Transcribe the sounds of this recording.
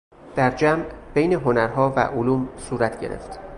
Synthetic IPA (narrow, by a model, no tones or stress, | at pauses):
d̪̥æɾd͡ʒæmbejne̞ɦo̞næɾɦɒːvæ̰ʔoluːmsuːɾæt̪ʰɟe̞ɾḛft̪